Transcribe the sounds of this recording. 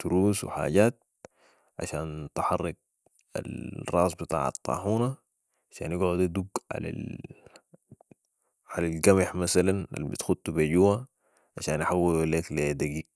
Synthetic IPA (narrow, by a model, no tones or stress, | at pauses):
d̪̥uɾuːswḭħa̰ːɟaːt̪̚ | ʕa̰ʃaːnt̪ħɑrˤːɑɡ̚ | a̰lrˤɑ̰ːsˤbɪt̪ˤa̰ːʕɑ̰t̪ˤːɑ̰ːħuːna | ʕaʃa̰ːnjiɡʕud̪ad̪uɡʕa̰la̰ | ʕalalɡamɪħmasalana̰lbḭt̪xud̪̚t̪ːubeɟuːwa | ʕaʃaːnaħawːileːkled̪aɡiːɡ